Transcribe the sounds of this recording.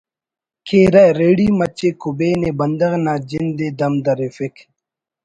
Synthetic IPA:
kʰeːɾɐɾeːɽiːmɐt͡ɕekʰubeːnebɐnd̪ɐɣnaːd͡ʑɪnd̪eːd̪ɐmd̪ɐɾefɪk

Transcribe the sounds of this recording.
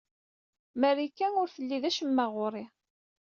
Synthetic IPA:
mæɾikːænʊɾθəlːiðæʃəmːæʁʊɾˤi

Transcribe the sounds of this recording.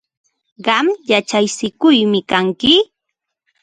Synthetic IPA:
ɢɑmjat͡ʃajsɪkʊjmɪkaŋkɪ

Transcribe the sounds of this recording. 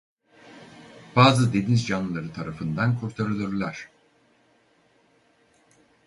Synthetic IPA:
b̥aːzɯd̪enizd͡ʒanɯlˠaɾɯt̪ʰaɾafɯnd̪ankʰuɾt̪ʰaɾɯlˠɯɾlʲˠaɾ̥

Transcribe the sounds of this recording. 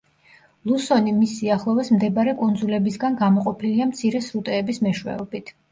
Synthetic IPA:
lˠusɔnimisːiaχlˠɔvɛsmd̪ɛbɾɛkʼund̪zulɛbisɡanɡamɔqʼɔpʰiliamt̪sʰiɾɛsɾut̪ʼɛːbismɛʃwɛ̰ɔbit̪ʰ

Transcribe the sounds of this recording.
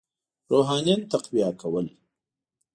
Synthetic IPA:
ɾoɦɑnjɑnt̪aqwijakʰawəl

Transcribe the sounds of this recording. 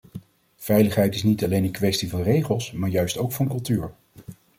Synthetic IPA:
v̥ɛjləχɦɛjtɪsnitɑlejnənkʋɛstivɑnrejχəlˠsmaːɹjœɥstowkfɑnkɵlˠtyːɹ

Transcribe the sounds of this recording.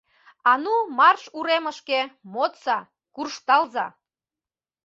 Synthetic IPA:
ɑnumɑrʃuɾeməʃkemot̪sɑ | kurʃt̪ɑlzɑ̰

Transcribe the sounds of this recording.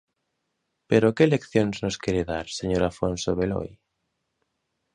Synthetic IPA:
peɾokelekθjoŋznoskeɾeðaɾseɲoɾafonsoβelo̰j

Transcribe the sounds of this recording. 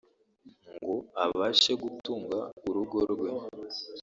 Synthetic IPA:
ŋɡoaβaːʃe̞ɡutuːŋɡauɾuɡo̞ɾɡwe̞

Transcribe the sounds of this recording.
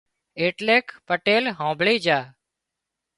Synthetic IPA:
eːʈleːkpəʈeːlɦõːbʱɭiːd͡ʒaː

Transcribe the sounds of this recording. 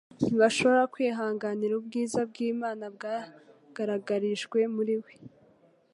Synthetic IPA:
niβaʃo̞βoɾakwiːɦaːŋɡaniɾubɡiːzab̚ɡiːmaːnab̚ɡa | ɡ̥aɾaɡaɾiʒɡwe̞muɾiwe

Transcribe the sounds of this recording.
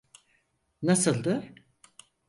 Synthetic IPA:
nasɯlˠd̪ɯ

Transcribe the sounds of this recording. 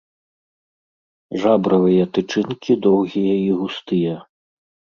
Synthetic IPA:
ʐabɾɐvɨjɐt̪ɨt͡ʂɨnkʲid̪ɔwɣʲijɐiɣust̪ɨjɐ

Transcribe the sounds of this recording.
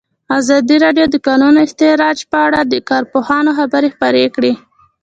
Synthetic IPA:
azɑd̪iɾɑɖjod̪əkɑnunoɪst̪eɾɑd͡ʒpəaɽad̪əkɑɾpohɑnoxabəɾexpəɾekɽe

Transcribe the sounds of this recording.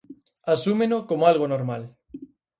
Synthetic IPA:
asumenokomoalɣ̞onoɾmal

